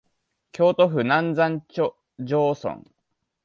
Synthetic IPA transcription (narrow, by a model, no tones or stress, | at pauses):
kʲʰo̞ːt̪o̞ɸɯ̟nãnd͡zãɲt͡ɕ | d͡ʑoːsõ̰ŋ